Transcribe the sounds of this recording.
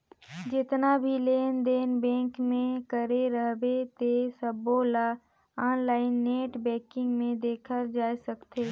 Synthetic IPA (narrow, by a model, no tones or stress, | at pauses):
d͡ʒɪt̪nabʱileːnd̪eːnbɛ̃ːŋkmẽkəɾeɾəɦbet̪esəboːla | ãːnlaːɪnːeːʈbɛ̃ːkɪ̃ŋɡmẽd̪eːkʰəɾd͡ʒaːsəkt̪eː